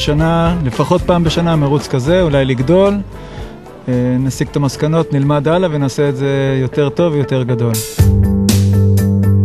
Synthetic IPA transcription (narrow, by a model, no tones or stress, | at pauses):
ʃanale̞faχo̞t̚paːmbe̞ʃanameʁut͡skaze̞ulajliɡdo̞l | enasiɡt̪amaskano̞tnilmadalavenaːseːtze̞jo̞te̞ʁt̪o̞vejo̞te̞ʁɡado̞l